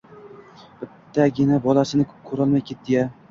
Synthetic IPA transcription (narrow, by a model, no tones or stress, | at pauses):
b̥ɪt̪ʰːaɡʲɪnabɒlasɪnɪkʰɵɾɒlˠmajkʲʰe̞t̪ːɪɡʲa